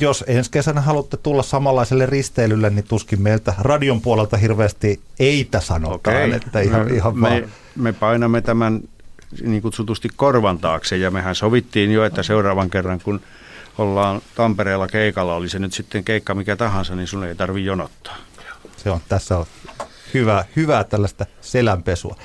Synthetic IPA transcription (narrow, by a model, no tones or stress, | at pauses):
josenskesænæhɑlut̪ːet̪ulːɑssɑmɑlːɑiselːerrist̪eːlylːennit̪uskimmeilt̪ærɑdiompuolelt̪ɑhirʋeæst̪ieit̪æsɑ̰no̰otkeːinḛt̪ːæihɑihɑʋmɑe | mepɑinɑmːet̪æmæn | niːŋkut̪sut̪ust̪ikkorʋɑnt̪ɑːksejjɑmehænsoʋit̪ːiːnjoet̪ːæseurɑːʋɑŋkerːɑŋkun | olːɑːnt̪ɑmpereːlːɑkeikɑlːɑolisenyt̪sit̪ːeŋkeikːɑmikæt̪ɑhɑnsɑninsuneit̪ɑrʋijjonot̪ːɑ̥ːjɑ̥seont̪æsːæo | hyʋæhyʋæt̪ælːæst̪æselæmpesṵɑ̰